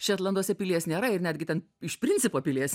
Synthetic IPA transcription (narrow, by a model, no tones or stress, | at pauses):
ʃʲɛːt̪lˠɐnd̪uɔsʲɛpʲɪlʲiɛsnʲeːɾɐɪɾnʲæːd̪ʲɡʲɪt̪ʲɛn | ɪʃʲpʲɾʲɪnʲtt͡s̪ʲɪpoːpʲɪlʲiɛs